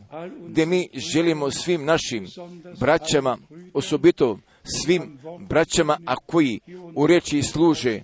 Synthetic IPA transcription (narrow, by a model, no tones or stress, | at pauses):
ɡd̪je̞miːʒe̞limo̞sʋimnaʃimbɾat͡ɕamaosobit̪o | sʋimbɾat͡ɕamaakojiuɾet͡ʃislˠuːʒe